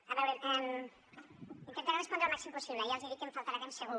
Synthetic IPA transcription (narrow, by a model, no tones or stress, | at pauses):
ɐβɛwɾeʔɛm | int̪ent̪aɾrespɔnd̪ɾəlmaksimpusiβlejalˠziðikẽmfalˠt̪aɾat̪emseɣu